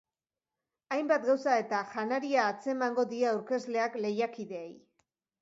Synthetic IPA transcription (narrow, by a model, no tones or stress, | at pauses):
ajmbat̪̚ɡawsae̞t̪axanaɾiaːt͡se̞maŋɡo̞ðiaawɾke̞zle̞akle̞jakiðe̞ːj